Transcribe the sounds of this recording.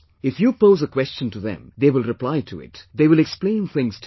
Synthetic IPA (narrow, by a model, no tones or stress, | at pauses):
ɪfjupoːzəkwɛst͡ʃə̃ntuðɛ̰̃mðewɪlˠɾɨplaɪtʰṵɪ̰td̪eːʋɪlɛksplẽɪ̃nθɪ̃ŋz̥tʰ